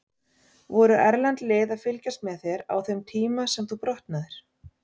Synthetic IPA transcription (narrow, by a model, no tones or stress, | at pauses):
vɔɾʏʔɛɾlant̪leːðaðfɪlcast̪mɛðθjɛɾa̰wθɛmt̪ʰiːmasɛmθupɾɔht̪naðɪɾ̥